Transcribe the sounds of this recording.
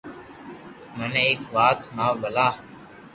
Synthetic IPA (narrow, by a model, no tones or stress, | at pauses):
mənːeːkʋaːt̪naːbəlaː